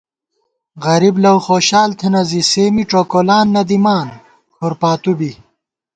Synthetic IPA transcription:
ɣɐɾiblɐwχoːɕaːlt̪ʰenɐziseːmiʈ͡ʂoːkolaːnːɐd̪imaːn | kʰoɾpaːt̪ubi

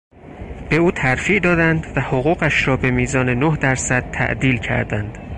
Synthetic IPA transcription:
b̥e̞uːt̪ʰæɾfiːʔd̪ɒːd̪ænd̪væhoɣuːɣæʃɾɒːbe̞miːzɒːne̞nohd̪æɾsæd̪̥̚t̪ʰæ̰ʔd̪iːlcʰæ̰ɾd̪ænd̪̥

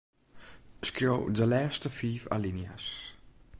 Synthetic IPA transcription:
skɾɔwdəlɛːst̪əfiːfa̰linja̰s

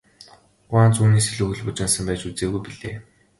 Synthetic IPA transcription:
χaːnt͡suːniːseɮuːɣɘ̆ɮpʊt͡ɕɪ̆nsə̆mpæːt͡ɕut͡seːɣujpiɮḛː

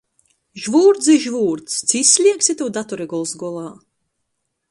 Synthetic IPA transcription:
ʒvuːɾd̪ziʒvuːɾt̪st̪sisʲlʲiɛksʲit̪uwd̪at̪ɔɾɛɡɔlˠsɡɔlˠaː

